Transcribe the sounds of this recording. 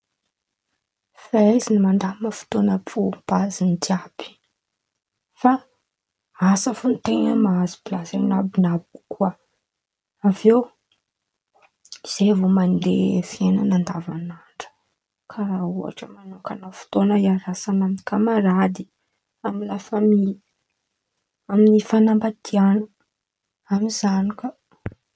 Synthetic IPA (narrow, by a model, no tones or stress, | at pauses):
faizinimand̪amafu̥t̪onəpʰupazint̪iabi̥ | fa | asəfunt̪eŋəmaazi̥plazanabinabkʰuə | avew | iz̥evomand̪efienanand̪avanaɳɖ͡ʐə̥ | kʰaɾaua̰ʈ͡ʂəmanokanafu̥t̪onəiaɾasanaminkamaɾad̪i | amilafamil | aminifanambat̪ʰianə | amzanikə